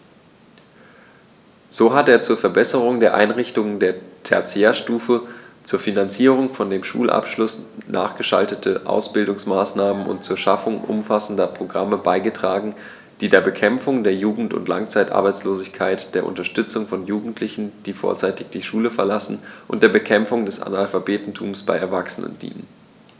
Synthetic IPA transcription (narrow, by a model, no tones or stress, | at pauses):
z̥oːɦateːɐt͡suːɐfɛɐbɛsəʁ̞ʊŋdeːɐʔa̰ɪnʁɪçtʊŋəndeːɐtʰɛ̰ɐt͡seɐʃtuːfət͡suːɐfinant͡siːʁ̞ʊŋfɔndeːmʃṵːlʔa̰pʃlʊsnʔa̰ːχɡ̥əʃa̰ltətʰəʔa̰ʊsb̥ɪldʊŋsmaːsnaːmənʔʊ̰ntt͡suːɐʃafʊŋʔʊ̰mfasn̩dɐpʁ̥oɡʁaməbaɪɡətʁ̥aːɡŋ̩ | d̥iːdeːɐbəkʰɛmfʊŋdeːɐjuːɡŋ̩tʊ̰ntlʔa̰ŋt͡saɪtʔa̰ɐbaɪt͡sloːzɪçkʰaɪtd̥eːɐʔʊ̰ntɐʃtʏt͡sʊŋfɔnjuːɡŋ̩tʰlɪçn̩d̥iːfo̰ːɐt͡saɪtɪçd̥iːʃuːləfɛɐlasn̩ʔʊntd̥eːɐbəkʰɛmfʊŋdɛsa̰nalfabeːtn̩tʰuːmsb̥aɪɛɐvaksənə̰nd̥ḭːnən